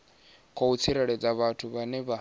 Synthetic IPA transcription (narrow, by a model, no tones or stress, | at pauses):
kʰɔut͡sʰiɾɛɺɛd͡zaβatʰuβanɛβa